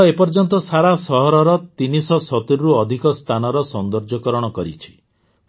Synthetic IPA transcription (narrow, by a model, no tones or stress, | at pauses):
epɔɾd͡ʒɔnt̪ɔsaɾasɔɦɔɾɔɾɔt̪inisɔsɔt̪iɾɔɾuɔd̪ʱikɔst̪ʰanɔɾɔsɔnd̪ɔɾd͡ʒɔkɔɾɔɽ̃ɔkɔɾit͡ʃʰi̥